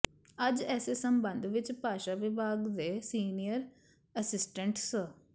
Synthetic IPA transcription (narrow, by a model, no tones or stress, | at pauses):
əd͡ʒɛːseːsəmbə̃nd̪ʋɪt͡ʃpaːʃaʋɪbʱaːɡd̪eːsiːnijəɾ | əsɪsʈəɳʈs